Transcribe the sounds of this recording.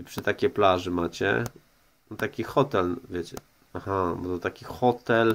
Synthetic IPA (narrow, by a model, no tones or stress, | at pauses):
ipʂɘt̪akʲeplaʐɘmat͡ɕɛ̰ | nɔt̪akʲixɔt̪ɛlvʲjet͡ɕɛ̰ | axabɔt̪ɔt̪akʲixɔt̪ɛl